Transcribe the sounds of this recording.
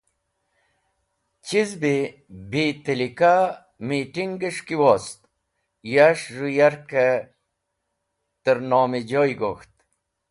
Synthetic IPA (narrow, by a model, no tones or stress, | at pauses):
t͡ɕizbi | biːt̪əlika | miːʈiŋɡəʂkiwoːst̪ | jaʂrujaɾke | t̪əɾnoːmid͡ʑoːjɡoxt̪̚